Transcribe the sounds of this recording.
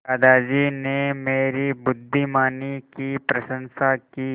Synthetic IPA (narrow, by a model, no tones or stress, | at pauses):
ɐd̪aːd͡ʒinemeːɾibʊd̪ʱːimaːnikipɾɐʃə̃nsakiː